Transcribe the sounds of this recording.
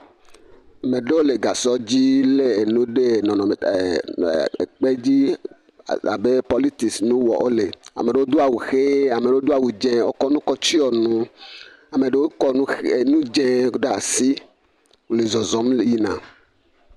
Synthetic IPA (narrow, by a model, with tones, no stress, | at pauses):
me˨ɖe˦wo˦le˨ɡa˨sɔ˦d͡ʑi˦le˦e˨nũ˦ɖe˦nɔ̃˨nɔ̃˨me˨ | e˨k͡pe˦d͡ʑi˦ | a̰˨be˦pɔ˦li˦t̪i˨snũ˦wɔ̰˨ʔo˦le˨a̰˨me˨ɖe˨wo˦d̪o˦a˨wu˨xe˦a˨me˨ɖe˨˦wo˦d̪o˦a˨wu˨d͡ʒẽ˦wo̰˦kɔ˦nũ˦kɔ˦t͡ʃi˦ɔ˨nũ˦ | a˨me˨ɖe˨wo˦kɔ̃˦e˨nũ˦d͡ʒẽ˦ɖa˨si˦ | wu˨le˨zɔ˨zɔ̃˨˦mji˦nã̰˨